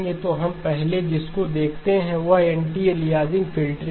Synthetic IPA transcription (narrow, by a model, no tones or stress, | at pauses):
ɡet̪oɦɐmpɛɦled͡ʒɪskod̪eːkʰt̪eɦɛ̃ʋaɛɳʈielɪɦaːzɪ̃ŋɡfʰɪlʈɾ